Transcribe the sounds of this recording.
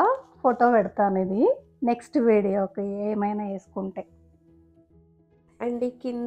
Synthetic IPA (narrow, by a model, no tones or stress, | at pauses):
foːʈːoːpeɽut̪ːaːnid̪i | neksʈɨʋiːɽijokːeeːmɐjnɐeːskuɳʈe | ɐɳɖikin